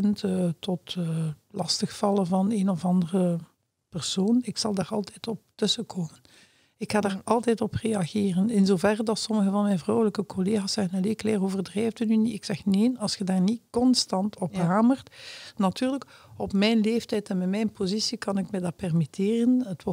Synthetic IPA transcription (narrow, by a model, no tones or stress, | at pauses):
ntːtɔtːlɑstəxfɑlˠəvɑneːnɔvɑndərə | pɛrsoːnɪksɑlˠdaːrɑlˠtɛjtɔp̚tɵsəkʰoːmən | ɪkxaːdaːrɑlˠtɛjtɔpreɑɣeːrənɪnzoːvɛrdɑtsɔməɣəvɑnmɛjnvrɔwələkəkoleːɣaːsːɛɣənɦəleklɛːroːvərdrɛjvdənyniɪksɛxneːnɑlˠsxədaːrnikɔnstɑntʰɔpɦaːmərtnɑtyːrləkɔpmɛjnleːftɛjtɛnmɛmɛjnpozisikɑnɪkmɛdɑpɛrmiteːrənətwɔ